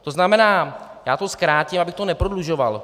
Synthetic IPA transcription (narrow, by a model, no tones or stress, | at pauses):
t̪oznamɛnaːjaːt̪oskɾaːcimabɪxt̪onɛpɾodluʒova̰l